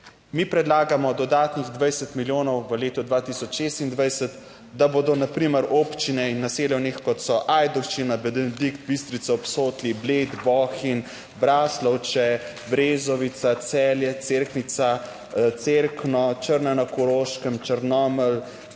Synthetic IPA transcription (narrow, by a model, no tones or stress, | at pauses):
mipɾɛd̪laːɡamɔd̪ɔd̪aːt̪niɣd̪ʋajsət̪miljoːnɔwʋəleːt̪ɔd̪ʋat̪isɔt͡ʃʃeːst̪ind̪ʋajsət̪ | d̪aboːd̪ɔnapɾiːməɾoːpt͡ʃinɛinːaseːlɛwnixkɔt̪sɔʔajd̪ɔxt͡ʃinabɛd̪ikt̪̚bist̪ɾit̪saɔpsoːt̪libled̪bɔːxin | bɾaːslɔwt͡ʃɛ | bɾeːzɔʋit̪sat̪sɛːljɛt̪seɾknit̪sa | t̪seɾknɔt͡ʃəɾnɛnakɔɾoːʃkəmt͡ʃəɾnɔməl